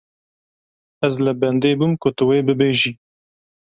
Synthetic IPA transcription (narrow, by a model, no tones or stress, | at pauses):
ɛzlɨbɛnd̪eːbumkʊt̪ɨweːbɨbeːʒiː